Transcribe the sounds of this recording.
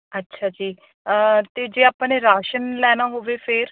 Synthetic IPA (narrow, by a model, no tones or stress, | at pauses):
ətːʃʰaːd͡ʒiː | t̪eːd͡ʒeːaːpneːɾaːʃənlɛːnaːɦoːʋeːpʰɪɾ